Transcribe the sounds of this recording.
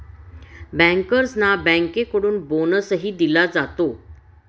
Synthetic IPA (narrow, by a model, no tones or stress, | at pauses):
bɛ̃ŋkəɾsnabɛ̃ŋkekəɽuːnbonəsəɦiːd̪ilad͡zat̪o